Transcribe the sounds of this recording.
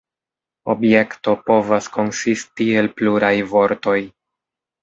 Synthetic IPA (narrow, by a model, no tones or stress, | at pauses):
o̞bje̞kto̞po̞vasko̞nsistie̞lpluɾajvo̞ɾto̞j